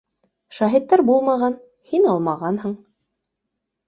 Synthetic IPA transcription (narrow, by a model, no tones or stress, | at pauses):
ʃæɦit̪ːæɾbulˠmɑʁɑn | hinɑlˠmɑʁɑnhɤɴ